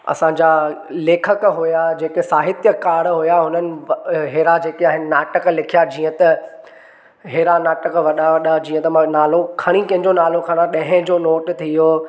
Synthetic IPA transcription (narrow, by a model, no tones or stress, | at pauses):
ɐ̰sãɲd͡ʑaleːkʰəkɦʊjad͡ʑeːkesaːɦɪt̪jəkaːɽɦʊjaɦʊnənɪ̆ɦeːɾad͡ʑeːkeaːɦɪnɪnaːʈəklɪkʰijad͡ʑiːə̃t̪ɐ | ɦeːɾanaːʈəkʋɐɗaʋɐɗad͡ʑiːə̃t̪ɐmãnaːlokʰɐɽ̃ĩkɐ̃ɦɪ̃ɲd͡ʑonaːlokʰɐɽ̃aɗɐ̃ɦɪ̃d͡ʑoːnoːʈt̪ʰijoː